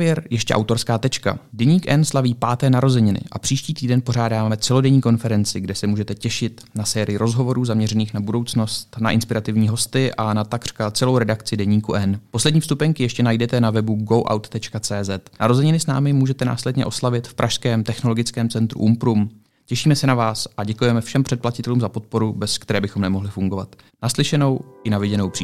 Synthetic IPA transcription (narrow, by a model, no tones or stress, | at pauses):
vjɛɾjɛʃcɛ̰ʔawt̪o̞ɾskaːt̪ɛt͡ʃka̰dɛɲiːkʔɛnslaviːpaːt̪ɛːnaɾo̞zɛɲɪnɪ̰ʔa̰pr̥iːʃciːt̪iːdɛnpo̞ɾaːdaːmɛt͡sɛlo̞dɛɲiːko̞nfɛɾɛnt͡sɪɡdɛsɛmuːʒɛt̪ɛcɛʃɪt̪ | nasɛːɾɪjɪɾo̞zɦo̞vo̞ɾuːzamɲɛrɛniːxnabudo̞wt͡sno̞st̪naʔɪnspɪɾat̪ɪvɲiːɦo̞st̪ɪʔanat̪akr̥kat͡sɛlo̞wɾɛdakt͡sɪdɛɲiːkuʔɛnpo̞slɛdɲiːfst̪upɛɲkɪjɛʃcɛnajdɛt̪ɛnavɛbuɡo̞wʔa̰wt̪ːɛt͡ʃkat͡sɛːzɛt̪nʔaɾozɛɲɪnɪsnaːmɪmuːʒɛt̪ɛna̰ːslɛdɲɛ̰ʔo̞slavɪt̪fpɾʔaʃskɛːmt̪ɛxnolo̞ɡɪt͡skɛːmt͡sɛnt̪ɾṵʔumpɾum | cɛʃiːmɛsɛnavaːsʔaɟɛkujɛmɛfʃɛmpr̝̥ɛt̪̚placɪt̪ɛluːmzapo̞t̪̚po̞ɾubɛskt̪ɛɾɛːbɪxomnɛmo̞ɦlɪfuŋɡo̞va̰t̪ | naslɪʃɛno̞wʔɪnavɪɟɛno̞wpr̥i